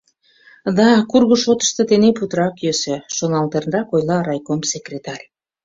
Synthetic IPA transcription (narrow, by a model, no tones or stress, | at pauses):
d̪ɑkurɣəʃot̪ə̥ʃt̪ɤt̪eneput̪əɾɑkjøsøʃonɑlt̪ernrɑkojlɑɾɑjkomsekrʲet̪ɑrʲ